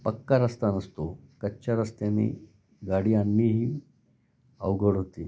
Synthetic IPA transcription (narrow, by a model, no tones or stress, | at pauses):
pəkːaɾəst̪anəst̪okətːɕaɾəst̪anḭː | ɡaɽijanːiːɦiː | ə̰ʋɡəɽɦot̪iː